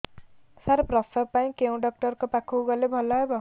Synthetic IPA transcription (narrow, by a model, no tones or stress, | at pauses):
saɾprʌsʌpaj̃kew̃ɖʌk̚ʈʌrkopakʰuɡʌlebʱʌlːaebʌ